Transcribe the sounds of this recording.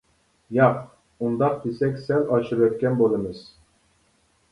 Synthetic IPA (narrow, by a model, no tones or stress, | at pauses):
jɑq | und̪ɑq̚d̪isɛkʲsælɑt͡ʃʰɨɾɛt̪̚kʲænbolˠɨmɨz̥